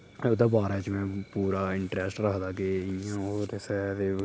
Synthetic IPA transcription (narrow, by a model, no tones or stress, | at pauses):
ʊd̪aːbaːɾaːt͡ʃmɛ̃ːpuːɾaːɪɳʈɾɛːsʈɾəkd̪aːkeɪjãːoɾɪsɛt̪eː